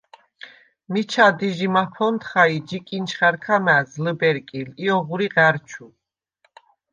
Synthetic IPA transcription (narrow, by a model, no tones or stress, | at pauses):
mit͡ʃʰad̪iʒimapʰɔnt̪χaid͡ʒikʼint͡ʃʰχaɾkʰamæzləbɛɾkʼiliɔʁuɾiʁæɾt͡ʃʰu